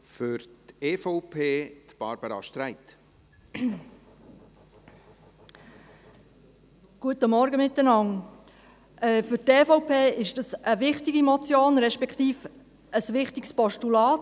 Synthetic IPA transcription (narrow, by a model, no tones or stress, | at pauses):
fʏɾt̪eːfɔʊpʰeːt̪b̥ɑ̰ɾb̥əɾɑ̰ʃtɾæɪt̪ | ɡ̥uət̪əmɔɾɡəmɪt̪ːənɑŋ | ʔɛːfʏteːfɔʊpʰeːɪʃd̥ɑsəʋɪχtɪɡimɔt͡sjoːnɾɛʃpɛkʰχtiːf | əsʋɪχtɪkspɔʃtulɑːt